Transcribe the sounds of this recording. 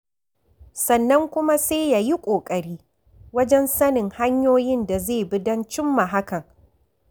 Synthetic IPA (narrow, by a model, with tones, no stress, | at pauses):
sɐ˨nːɐ˦ŋkʷʊ˦ma˦seː˦ja˦ji˦kʷʼoː˨kʼɐ˨ɽiː˦ | wɐ˦d͡ʒɛ˦nsɐ˦nɪ˨ŋha˦ɲjoː˦jɪ˦nda˨zeː˦˨bɪ˦dɐ˦nt͡ʃɪ˦mːa˨ɦa˦kɐ˨ŋ